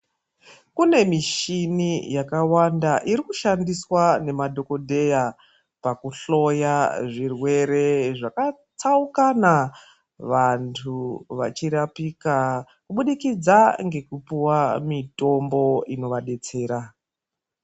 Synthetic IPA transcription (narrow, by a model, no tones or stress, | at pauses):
kune̞miʃinijakawandaʔiɾikuʃandiswane̞madʱo̞ko̞dʱe̞ja | pakuɬo̞jaʐirwe̞ɾe̞ʐaka | t͡saukana | ʋantʰuʋat͡ʃiɾapika | kuɓuɗikid͡zaŋɡe̞kupuwamito̞mbo̞ino̞ʋaɗe̞t͡se̞ːɾa